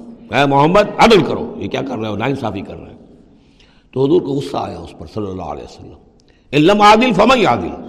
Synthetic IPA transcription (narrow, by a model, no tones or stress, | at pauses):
ɛ̃ːmʊɦəmːəd̪̚ɐd̪əlkɐɾo̰ːjekʲjaːkɐɾːɐeonaːɪnsaːfikɐ̰ɾːɐ̰ɛ̃ | t̪oɦʊzuːɾkoʊsːa̰a̰ːjaʊspɐɾsɐlːəlːa̰ːə̰lḛːsɐlːəm | ɪlːɐmaːd̪ɪlfɐmɐ̃ĩaːd̪ɪ̰l